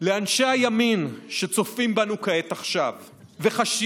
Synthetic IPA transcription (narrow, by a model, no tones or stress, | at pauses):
leanʃeajaminʃe̞t͡so̞fimbanukae̞t̪aχʃav | ve̞χaʃ